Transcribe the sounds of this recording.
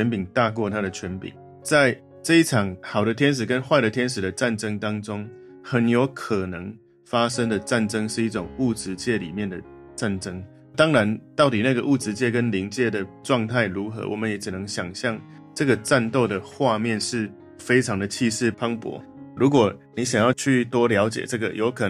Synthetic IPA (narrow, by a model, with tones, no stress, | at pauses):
ɛ˧˦npi˨˩ŋt̪a˥˧kwɔ˥˧t̪ʰa˥ɾə˨t͡ɕʰɥɛ˧˥npḭ˨˩˦ŋ | t͡sa˥˩ɪ | ʈ͡ʂɤ˥˧i˥˩ʈ͡ʂʰɑ˨˩ŋxɑ˨˩ʊd̪ə˦t̪ʰjɛ˥nʂ̬ɻ̩˨˩kə˦nxwa˥˩ɪɾə˨˩t̪ʰjɛ˥nʂ̬ɻ̩˨˩d̪ə˩˦ʈ͡ʂa˥˩nʈ͡ʂə˥ŋt̪ɑ˥ŋʈ͡ʂʊ˥ŋ | xə˨˩njo˧˥ʊkʰɤ˨˩nɤ˧˦ŋ | fa˥ʂə˥ŋd̪ə˨ʈ͡ʂa˥˩nʈ͡ʂɤ˥ŋʂɻ̩˥˧i˥˩ʈ͡ʂʊ˨˩ŋu˥˩t͡sɹɻ̩˧˥t͡ɕjɛ˥˩lḭ˨˩mjɛ˥˩˨nd̪ə˩ | ʈ͡ʂa˥˩nʈ͡ʂɤ˥ŋ | t̪ɑ˥ŋɻa˧˦nt̪ɑ˥˩ʊt̪i˨˩na˥˩ɡə˩ʔu˥˩t͡sɻ̩˧˥t͡ɕjɛ˥˧kə˦nli˧˥ŋt͡ɕjɛ˥˩d̪ə˩ʈ͡ʂwɑ˥˧ŋt̪ʰa˥˩ɪɻu˧˥xɤ̰˧˦wʔɔ˨˩mə˦njɛ˧˥ʈ͡ʂ̩˨˩nə˧˦ŋɕjɑ˨˩ŋɕjɑ˥˩ŋ | ʈ͡ʂɤ˥˩ɡə˩ʈ͡ʂa˥˧nt̪o˥˩ʊd̪ə˩xwa˥˧mjɛ˥˨nʂɻ̩˥˩ | fe˥ɪʈ͡ʂʰɑ˧˥ŋd̪ə˨t͡ɕʰi˥˧ʂɻ̩˥˩pʰɑ˥ŋpwɔ̰˧˦ | ɻu˧˥k̬wɔ˨˩ni˨˥ɕ̬jɑ˨˩ŋjɑ˥˧ʊt͡ɕʰy˥˩t̪wɔ˥ljɑ˧˥ʊt͡ɕjɛ̰˨˩ʈ͡ʂɤ˥˩ɡə˨˩jʔo˧˥ʊkʰɤ˨˩